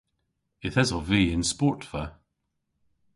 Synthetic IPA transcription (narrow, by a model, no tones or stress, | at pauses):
ɪθɛzɔviːɪ̃nspɔˑtfə